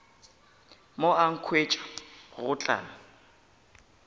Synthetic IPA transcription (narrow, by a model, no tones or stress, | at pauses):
moaŋ̩kʰwet͡ʃʼḁɣɣʊt͡ɬʼa̰ːla